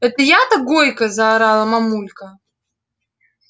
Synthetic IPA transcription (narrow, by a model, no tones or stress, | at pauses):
ɛt̪əjat̪ɐɡojkəzɐːɾalˠɐmamulʲkə